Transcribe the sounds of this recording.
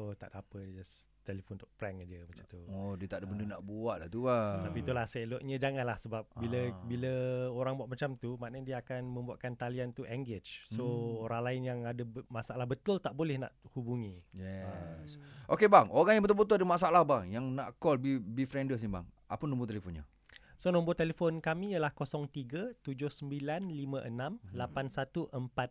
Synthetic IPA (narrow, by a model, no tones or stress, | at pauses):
ot̪a̰ʔdapədd͡ʒast̪elefɔnt̪uʔpɾɛŋad͡ʒəmat͡ʃamt̪uodiət̪aʔdəbəndənaʔbuaʔlat̪uat̪apit̪ulahsloʔɲə̃d͡ʒaŋanlahsəbap̚biləbiləoɾaŋbuaʔ̪̚mat͡ʃamt̪umanədiəakanmə̃mbuaʔkant̪aliant̪uʔɛŋɡet͡ʃsooɾaŋlaɪnjaŋadəmasaʔalahbət̪ʊlt̪aʔbolɛhna̰ʔhubuŋĩjɛsʔokebaŋoɾaŋjãŋbət̪ulbət̪̬uladəmasaalahbaŋjaŋnaʔkɔlbibifɾɛndəs̬niba̰ŋ | a̰pənũmbut̪elefonɲə̰ | sonɔmbʊt̪elefonkamĩjəlahkosɔŋt̪iɡət̪ud͡ʒʊhsəmbilanlimə̃ʔənãmlapansat̪uʔəmpat̪̚